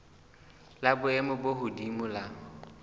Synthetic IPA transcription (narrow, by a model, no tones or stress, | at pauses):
labʊɛmʊboɦʊdimʊla